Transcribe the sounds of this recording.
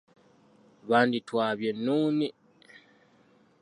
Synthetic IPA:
βaːnditwaːβjenuːni

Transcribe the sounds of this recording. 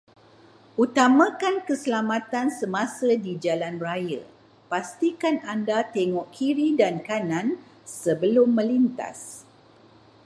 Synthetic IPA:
ʔut̪amãkankəsəlamãt̪ansəmãsədid͡ʒalanrajə̰ | past̪ikanandat̪eŋɔʔkʰiɾidankanãn | səbəlʊmːə̃lint̪a̰s

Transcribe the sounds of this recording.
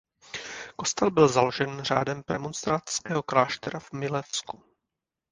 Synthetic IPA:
ko̞st̪ɛlbɪlzalo̞ʒɛnr̝a̰ːdɛmpɾɛmonst̪ɾaskɛːɦo̞klaːʃt̪ɛɾavmɪlɛfsku

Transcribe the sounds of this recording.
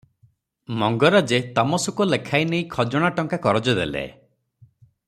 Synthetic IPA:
mɔŋɡɔɾad͡ʒet̪amɔsukulekʰajnej̃kʰɔd͡ʒɔɽ̃aʈɔŋkakɔɾɔd͡ʒɔd̪ḛlḛ

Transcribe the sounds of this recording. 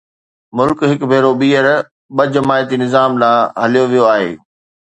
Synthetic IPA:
mʊlkɦɪkbʱeːɾoɓiːəɾ | ɓɐd͡ʑɐmaːjt̪inɪzaːmlãːɦɐlijoʋijoaːɦḛː

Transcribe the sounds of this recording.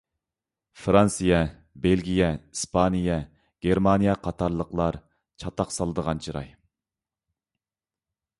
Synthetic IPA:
fɾɑnsɨjɛ | belɡʲijɛispʰɑnijɛ | ɡ̥ʲeɾmɑnijɛqʰɑt̪ʰɑɾlˠəqlˠɑɾ | t͡ʃʰɑt̪ɑqsɑlˠɨd̪əʁɑnt͡ʃʰiɾɑ̰j

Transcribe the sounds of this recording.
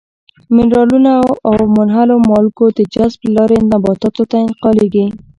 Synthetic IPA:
mɪnɾɑlunaawmʊnɦalomɑlkod̪əd͡ʒazblɑɾenabɑt̪ɑt̪ot̪aɪnqɑleɡi

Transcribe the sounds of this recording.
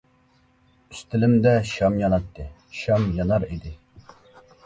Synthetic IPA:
yst̪ɪlɪmd̪ɛʃɑmjɑnɑt̪ʰːɨ | ʃɑmjɑnɑɾid̪ɪ

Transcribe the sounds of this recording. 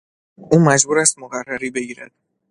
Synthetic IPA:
ʔuːmæd͡ʒbuːɾæst̪̚moɣærːæɾiːbe̞ɟiːɾæd̪̥̚

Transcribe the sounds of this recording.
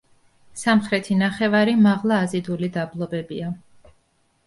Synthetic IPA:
samχɾɛt̪ʰinaχɛvaɾimaʁlˠaːzid̪ulid̪ablˠɔbɛbia

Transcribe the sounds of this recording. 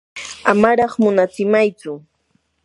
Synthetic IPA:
amaɾɑχmʊnat͡sɪmajt͡sʊ

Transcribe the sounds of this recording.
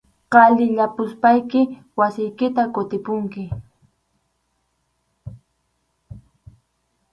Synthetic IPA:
qɑʎɪʎapʊspajkɪ | wasɪjkɪt̪akʊt̪ɪpʊŋkɪ

